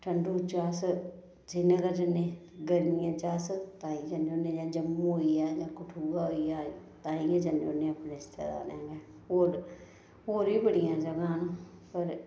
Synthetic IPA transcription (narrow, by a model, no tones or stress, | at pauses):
ʈʰəɳɖuːt͡ʃaːs | d͡ʒɪnəkəd͡ʒənːẽː | ɡəɾnɪjãːt͡ʃaːst̪ãːĩːd͡ʒənoːnẽːd͡ʒãːd͡ʒəm̃ːũɦoːiaːjãːkʊʈʰuːɡaːɦoːiaːt̪ãːĩːãd͡ʒəno̰ːnẽːəpneːɪst̪ḛːd̪a̰ːneŋɡeː | ɦoːɾ | ɦoːɾiːbəɽɪjãːd͡ʒəɡãːnũ | pəɾ